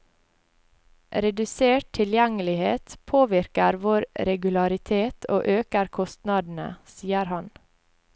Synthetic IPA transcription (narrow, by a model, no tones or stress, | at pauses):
ʔɾɛd̪ʉseːʈ̚t̪ʰɪljɛŋəlɪheːt̪pʰoːʋɪɾkəɾʋoːɾɾɛɡʉlɑɾɪt̪ʰeːt̪ʰo̰ːʔøːkəɾkʰɔst̪nɑd̪n̩ə̰siːəɾhɑn